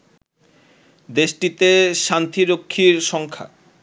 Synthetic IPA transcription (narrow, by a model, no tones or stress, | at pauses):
d̪eʃʈit̪eʃant̪ʰiɾokʰːiɾʃɔŋkʰa̰